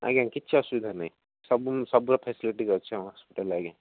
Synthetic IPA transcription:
a̰ːɡẽkitːt͡ʃʰaɐsuʋid̪ʱanɐj | sɐbmsɐbɾɐpʰeːsiliʈikɐɾt͡ʃʰːɳɦaːspiʈɐlaːɡã

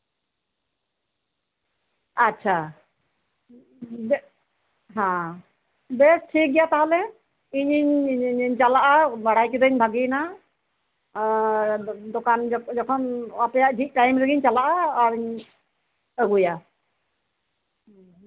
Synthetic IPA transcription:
atːʃʰa | ɦã | bɛsʈʰik̚ɡɛjat̪aɦɔlɛ | iɲiɲɲɲt͡ʃalaʔabaɽ̤ajkɛd̪əɲbʱaɡina | d̪ɔkand͡ʒɔd͡ʒɔkʰɔnapɛjaʔɖʱik̚ʈajmɾɛɡiɲt͡ʃalaʔaːɾiɲ | əɡuja

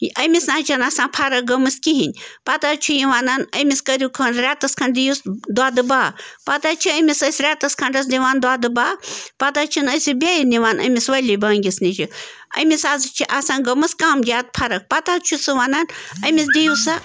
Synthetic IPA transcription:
ɐmisnaːt͡ʃʰɐnaːsãːpʰɐɾɐk̚ɡɐmɨskiɦinʲpɐt̪aːt͡ʃʰujiʋaːnaːnɐmiskɐɾʲukʰɐnɾʲaːt̪ɐskʰɐɳd̪ijusd̪waːd̪ɨbaːpɐt̪aːt͡ʃʰiɐmisɐsʲɾʲaːt̪ɐskʰɐɳɖɐs̬diʋaːnd̪aːd̪ɨbaːpɐt̪aːt͡ʃʰinɐsʲibʲaːjiniʋaːnɐ̰mʲisʋɐlʲibaːŋɡʲisnit͡ʃʰi | ɐ̰misaːzɨt͡ʃʰiʔaːsaːnɡɐmɨskaːmd͡ʒʲjaːt̪̚pʰɐɾɐk̚pɐt̪aːt͡ʃʰusɨʋaːnaːnɐmis̬d̪ijusa

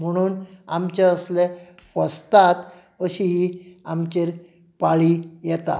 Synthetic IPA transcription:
m̤əɽ̃uːnamt͡ɕeəslepəst̪at̪ | əɕiɦiamt͡ɕeɾ | paɭiːjɛt̪a̰

